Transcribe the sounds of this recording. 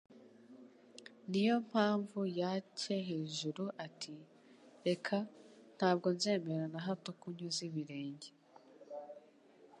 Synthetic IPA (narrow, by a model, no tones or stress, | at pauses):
nijo̞m̥haːɱvujace̞ɦe̞ːʒuɾuʔatʰi | ɾe̞kʰan̥haːb̚ɡo̞nze̞ːme̞ɾanaɦatokuɲuziβiɾe̞ːɲɟe